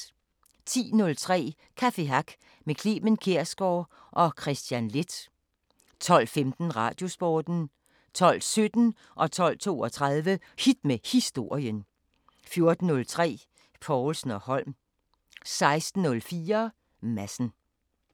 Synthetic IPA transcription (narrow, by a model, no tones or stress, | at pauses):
t͡sʰḭːnɔ̽lt͡sʰʁɛ̰ː | kʰæfe̝ɦɑɡ̥ | mekʰliːmənkʰeɐ̰sɡ̥ɒː | ʔɒ̽kʰʁɛsd̥jænle̝d̥ | t͡sʰɒ̽l̰femd̥n̩ʁɑ̈ːd̥jo̝sb̥ɒːd̥n̩ | t͡sʰɒ̽l̰sød̥n̩ | ʔɒ̽t͡sʰɒ̽l̰t͡sʰo̝̰ːɒt͡sʰʁɑðˠʋə | hid̥mehisd̥o̝ɐ̰jən | fjo̝ɐd̥n̩ːɔ̽lt͡sʰʁɛ̰ː | pʰɒʊlsn̩ɒ̽hɒ̽l̰m | sɑ̈ɪsd̥n̩ːɔ̽lfiːɐ | mæsn̩